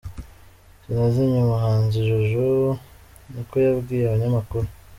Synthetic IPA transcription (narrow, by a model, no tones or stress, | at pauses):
zinaziɲumuɦaːnziʒuʒu | niko̞jabɡiːjeaβaɲamakuɾu